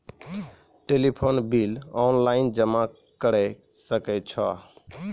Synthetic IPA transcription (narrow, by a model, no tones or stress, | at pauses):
ʈelipʰonbilɔnlaind͡ʒəma | kəɽɛsəkɛt͡ʃʰɔ